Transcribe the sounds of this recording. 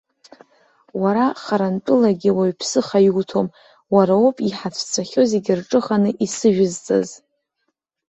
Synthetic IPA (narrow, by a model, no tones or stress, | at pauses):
waɾaχaɾanpʼɨlaɡʲiwaɥpʰsɨχajuwtʰo̞m | waɾaopʼiħat͡sʷʰt͡sʷʰaχʲo̞ze̞ɡʲɪrʈ͡ʂʼɨχanɨʔisɨʒᶣʊzt͡sʼa̰z